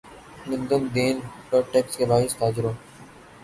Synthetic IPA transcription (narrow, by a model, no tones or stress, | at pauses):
ɡʊ̃nd̪əmd̪eːnʈəʈeːkskebaːɪst̪aːd͡ʒɪɾoː